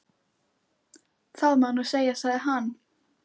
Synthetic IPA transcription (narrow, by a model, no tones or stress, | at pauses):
θaðmanɔsejasaɦanː